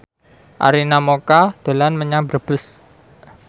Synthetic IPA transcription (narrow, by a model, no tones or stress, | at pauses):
ʔa̰ɾinamokad̪̥o̤lanməɲabɾəb̥ʊs